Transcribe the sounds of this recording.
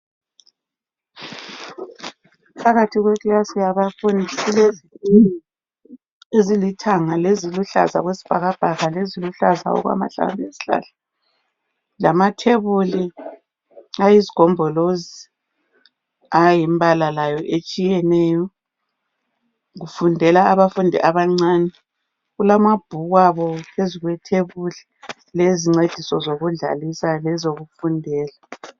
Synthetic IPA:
pʰaɣatʰiɣwɛkʼlasijaβafoniulezilini | ezilitʰaŋaleziluɬa̰za̰ɣwesi̥b̥ʱaɣab̥ʱaɣaleziluɬaza̰ɔ̰ɣwa̰ma̰ɬa̰mbʱesi̥ɬa̰ːɬa | lamatʰɛβuli | ajiziɡ̥ʱɔmbʱɔlozi | ajimbalalajɔʔet͡ʃʼijɛnɛːjɔ | ɣufundʱɛlaːβafundʱɛ̰ʔaβaŋ͡ǀaːnɛ | ɣulamab̥ʱuɣwaβɔpʰeziɣwɛtʰeβuli | leziŋ͡ǀed̥ʱisɔzoɣuɮa̰lisalɛzoɣufundʱɛːla

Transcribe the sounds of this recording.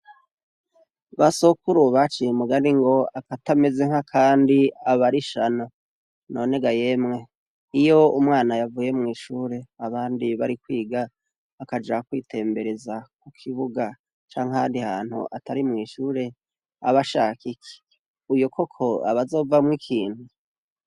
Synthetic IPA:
βasokuɾuβat͡ʃijemuɡaniŋɡo̞akatame̞ze̞ŋ̥hakʰaːndiaβaɾiʃana | no̞ːne̞ɡaje̞mŋe̞ | ijo̞umŋaːnajavuje̞mŋiːʃuːɾe̞aβaːndiβaɾikwiːɡa | akad͡ʒakwiːtʰe̞ːmbe̞ɾe̞zak̚ukʰiβuɡa | t͡ʃaːŋ̥ahaːndihaːn̥hṵʔatʰaɾimŋiːʃuːɾe̞ | a̰βaʃakike̥ | ujukʰo̞kʰo̞a̰βazo̞ːvamŋikʰiːn̥hu

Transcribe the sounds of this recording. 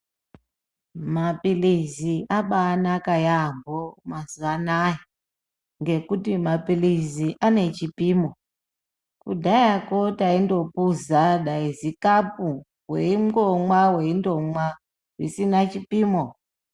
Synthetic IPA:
mapiliziaɓaːnakajambomazuanaji | ŋɡe̞kutimapiliziʔane̞t͡ʃipiːmo | kudʱajako̞taindo̞puzaɗaizikapu | weimɡomwawe̞indomwa | risinat͡ʃipiːmo

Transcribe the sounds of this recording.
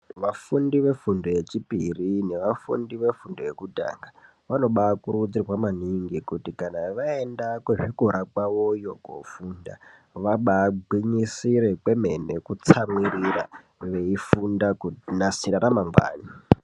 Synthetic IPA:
ʋafundiʋe̞fundoje̞t͡ʃipirine̞ʋafṵndiʋe̞fundojekudʱa̰ŋɡa | ʋano̞ɓakuɾud͡ziwamaniŋɡikutikanaʋae̞ndakweʐikuɾakwawojo̞ɡo̰funda̰ | ʋaɓaɡwiɲisiɾekwe̞me̞nekut͡samiriɾa̰ | ʋe̞ifundakunasiɾaɾamamɡwa̰ːni

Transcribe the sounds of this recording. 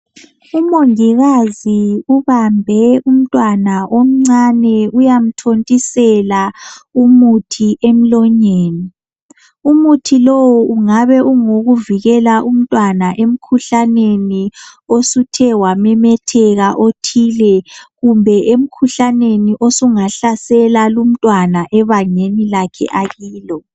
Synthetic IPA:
umoŋiɣaziuβambʱɛum̩tʼwanaʔom̩ŋ͡ǀanɛujam̩tʰontʼisɛlaumutʰiʔem̩lɔɲeːni | umutʰilowɔʔuŋaβɛʔuŋoɣuviɣɛlaʔum̩tʼwanaʔem̩kʰuɬaneniosutʰɛwamɛmɛtʰɛɣaʔotʰilɛɣumbʱɛʔem̩kʰuɬaneniʔosuŋaɬasɛlalum̩tʼwanaʔɛβaɲenilakʰɛ̰ʔaɣiːlɔ

